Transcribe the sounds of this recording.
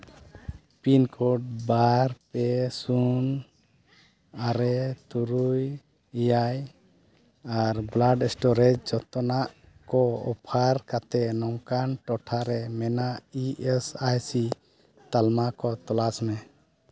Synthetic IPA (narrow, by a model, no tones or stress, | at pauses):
pinkʰɔɖ̚baɾpɛsun | aɾɛt̪uɾuj | ijaj | aɾblaɖɛsʈɔɾɛd͡ʒd͡ʒɔt̪ɔnaʔ | kɔɔ̰pʰaɾkat̪ɛnɔŋkanʈɔʈʰaɾɛmɛnaiɛsajsi | t̪almakɔt̪ɔlasmɛ